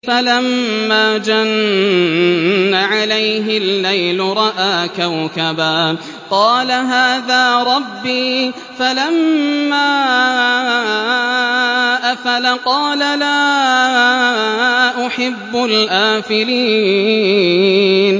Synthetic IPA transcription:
falamːaːd͡ʒan | aʕalajɦɪlːajlʊɾˤɑʔaːkawkabaː | qɑːlaɦaːðaːɾˤɑbːiː | falamːaː | ʔafalaqɑːlalaː | ʔʊħɪbːʊlʔaːfɪɾiː | n

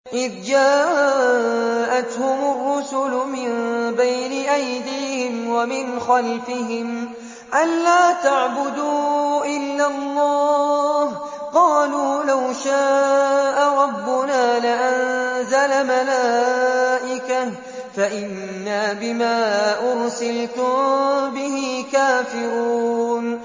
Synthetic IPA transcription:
ʔɪðd͡ʒaː | ʔat̪hʊmʊrˤːʊsʊlʊmɪnbajnɪʔajd̪iːhɪmwamɪnxalfɪɦɪm | ʔanlaːt̪aʕbʊd̪uːʔɪlːalˤːɑːh | qɑːluːlawʃaːʔaɾˤɑbːʊnaːlɪʔanzalamalaːʔɪka | faʔɪnːaːbɪmaːʔʊɾsɪlt̪ʊmbɪɦikaːfɪɾuːn

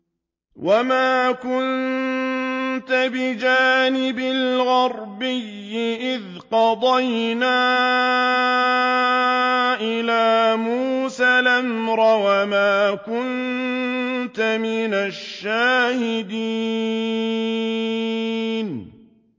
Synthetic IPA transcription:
wʔamaːkʊn | t̪abɪd͡ʒaːnɪbɪlɣɑɾˤbɪjːɪʔɪð | qɑd̪ˤɑjnaː | ʔɪlaːmuːsalamɾˤɑwamaːkʊn | t̪amɪnaʃːaːhɪd̪i | n

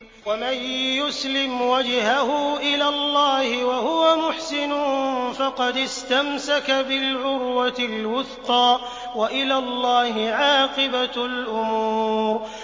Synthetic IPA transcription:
wamanjʊslɪmwad͡ʒhahʊʔɪlaːlˤːɑːhɪwahʊwamʊħsɪnʊnfɑqɑd̪ɪst̪amsakabɪlʕʊɾwat̪ɪlwʊθqɑː | waʔɪlaːlˤːɑːhɪʕɑːqɨbalʔʊmuːɾ

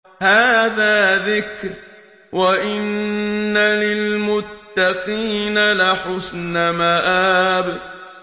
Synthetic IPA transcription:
haːðaːðɪkɾ | waʔɪnːalɪlmʊt̪ːaqiːnalaħʊsnamaʔaːbd

